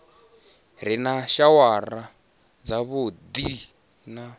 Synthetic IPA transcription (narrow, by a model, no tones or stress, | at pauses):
ɾinaʃawaɾa | d͡zaβud̪i | na